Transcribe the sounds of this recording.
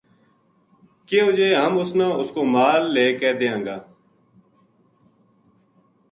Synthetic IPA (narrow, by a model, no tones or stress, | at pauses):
keːod͡ʒeːɦəmʊsnãːʊskoːmaːlːeːkɛːd̪eːãːŋɡaː